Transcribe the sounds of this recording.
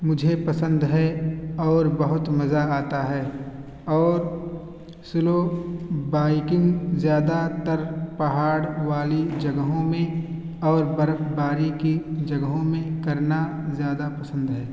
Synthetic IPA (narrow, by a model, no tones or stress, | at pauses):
mʊd͡ʒʱepɐsə̃nd̪ɦɛɔːɾbəɦʊt̪mɐzaaːt̪aɦɛː | ɔːɾ | sʊlobaːikɪŋzjaːd̪at̪əɾpɐɦaːɽʋaːlid͡ʒɐɡəɦõmẽ | ɔːɾbəɾbaːɾikid͡ʒɐɡəɦõmẽkɐɾna | zjaːd̪apɐsə̃nd̪ɦɛː